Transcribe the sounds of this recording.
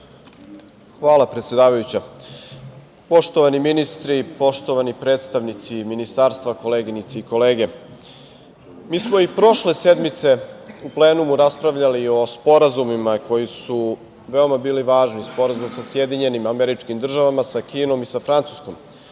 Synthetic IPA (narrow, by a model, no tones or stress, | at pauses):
xʋaːlˠapɾet̪sʲje̞d̪aːʋajut͡ɕa | po̞ʃt̪oʋaniminist̪ɾipo̞ʃt̪o̞ʋanipɾeːt̪st̪aʋnit̪siminist̪aːɾst̪ʋako̞leɡinit̪seiko̞le̞ːɡe̞ | miːsmo̞ipɾo̞ʃlesed̪mit̪se̞uple̞ːnumuɾaspɾaʋʎalio̞spo̞ɾazumimako̞jisu | ʋe̞o̞mabiːliʋaːʒnispo̞ɾazumsasje̞d̪iɲe̞nimameɾit͡ʃkimd̪r̩ʒaʋamasakiːno̞misafɾant̪su̥sko̞m